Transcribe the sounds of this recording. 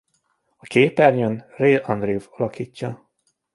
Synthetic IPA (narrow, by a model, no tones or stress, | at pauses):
ɒkeːpɛrɲønreːɒnd̪riuvɒlɒkiːcːɒ